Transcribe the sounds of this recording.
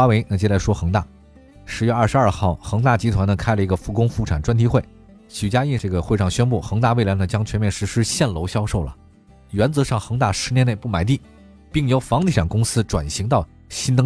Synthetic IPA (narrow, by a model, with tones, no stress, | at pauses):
a˥we˧˥ɪna˥˧˩t͡ɕjɛ˥˧˥la˥˩ɪʂwɔ˥xɤ˧˥ŋt̪a̰˥˩ | ʂɻ̩˧˥ɥɛ˥˧ɐ˞˥˩ʂɻ̩˧a˞˥˧xɑ˥˩ʊxɤ˧˥ŋt̪a˥˩t͡ɕi˥t̪ʰwa˧˥nə˧kʰa˥ɪlə˨i˧˥ɡə˧fu˧˥kʊ˥ŋfu˥˩ʈ͡ʂʰa˨˩nʈ͡ʂwa˥nt̪ʰi˥xwe˥˩ɪ | t͡ɕʰy˨˩t͡ɕja˥i˥˧ʈ͡ʂɤ˥˩ɡə˩xwe˥˧ɪʂɑ˥˩ŋɕɥɛ˥npu˥˩xɤ˧˥ŋt̪a˥˧we˥˩ɪla˧˥nə˩t͡ɕjɑ˥ŋt͡ɕʰɥɛ˧˥nmjɛ˥˩nʂɻ̩˧˥ʂɻ̩˥ɕjɛ˥˩nlo˧˥ʊɕjɑ˥ʊʂo˥˩ʊlə̰˩ | ɥɛ˧˥nt͡sɤ˧˥ʂɑ˥˩ŋxɤ˧˥ŋt̪a˥˩ʂɻ̩˧˥njɛ˥ne˥˧ɪpu˥˩ma˨˩ɪt̪̬i˥˩ | pi˥˩ŋjo˧˥ʊfɑ˧˥ŋt̪ʰi˧˥˩ʈ͡ʂʰa˨˩nkʊ˥ŋsɹ̩˥ʈ͡ʂwa̰˨˩nɕi˧˥ŋt̪ɑ˥˩ʊ | ɕi˥nt̪ɤ˥